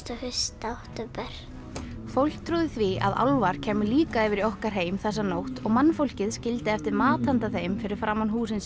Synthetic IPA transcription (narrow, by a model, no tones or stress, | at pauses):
t̪ɔhʏst̪aht̪ʏpɛɾ̥ | fowl̥k̚t̪ʰɾuːðɪθvia̰ða̰wlvaɾ̥cʰɛːmʏliːkaɛvɪɾiɔhkaɾ̥ɦeːjmθɛs̬ːanowht̪ɔɣmanːfowl̥cɪðscɪlt̪ɪɛft̪ɪɾmaːt̪ant̪aθejmfɪɾɪɾ̥fɾaːmːanɦuːsɪns